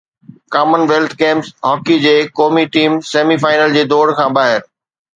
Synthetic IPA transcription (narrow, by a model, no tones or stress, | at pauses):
kaːmənʋeːlt̪ʰkẽːmsɦɔːkid͡ʑeːkɔːmiʈiːmseːmifaːɪnəld͡ʑeːd̪ɔːɽkʰãːbaːɦɪɾ